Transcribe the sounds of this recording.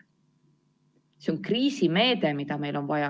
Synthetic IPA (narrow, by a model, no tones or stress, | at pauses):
seoŋkriːsime̞ːd̪̥e̞mid̪̥ɑme̞jlo̞nvɑjɑ